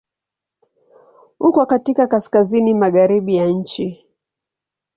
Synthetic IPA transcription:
hukɔkatikakaskazinimaɣaɾiɓijaɲ̩t͡ʃi

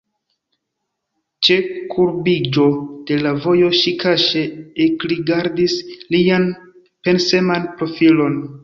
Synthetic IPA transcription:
t͡ʃe̞kʰuɾbid͡ʒo̞d̥e̞lavo̞jo̞ʃikaʃe̞ekliɡaɾdislian | pe̞nse̞manpɾo̞filo̞n

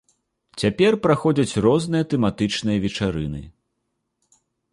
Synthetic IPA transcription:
t͡sʲapʲɛrpɾaxɔd͡zʲɐt͡sʲrɔznɨjɐt̪ɛmat̪ɨt͡ʂnɨjɐvʲɛt͡ʂaɾɨnɨ̰

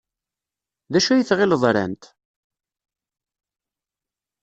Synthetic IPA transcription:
ðæʃæjəθʁɪlðˤɾæ̰nt̪

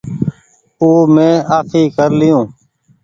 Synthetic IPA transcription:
uːmẽːaːkʰiːkəɾlɪjũː

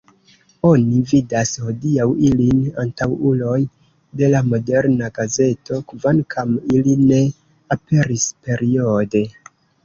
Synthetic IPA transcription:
o̞nividasho̞diawilinantawulo̞j | de̞lamo̞de̞ɾnaɡaze̞tʰo̞kvankʰamiline̞ | ape̞ɾispe̞ɾio̞de̞

